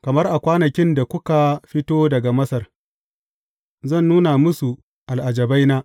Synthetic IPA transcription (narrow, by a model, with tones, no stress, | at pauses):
kɐ˨mɐ˦rʔa˨kʷaː˦nɐ˨kʲɪ˦nda˨kʷʊ˦ka˨ɸɪ˦toː˦dɐ˨ɡa˨mɐ˦sɐ˨r | zɐ˦˨nːuː˦na˨mʊ˦su˨ | ʔa˨lʔa˨d͡ʒɐ˨ba˦jnaː˦ʔ